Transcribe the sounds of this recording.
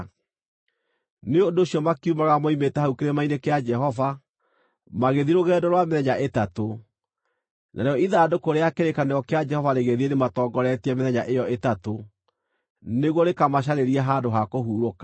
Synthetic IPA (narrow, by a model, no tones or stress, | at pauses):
neodooɕiɔmakiumaɣamɔimetɛhaukeɾemainekead͡ʒɛɦɔva | maɣeðiɾoɣɛːdɔɾwameðɛɲaʔetato | nʔa̰ɾeɔiðaːdokoɾeakeɾekaneɔkead͡ʒɛhɔvaɾeɣeðienematɔːŋɡɔɾɛtiɛmeðɛɲaʔejɔetato | neɣwɔɾekamaɕ̬aɾeɾiɛɦaːdoɦakoɦuːɾokḁ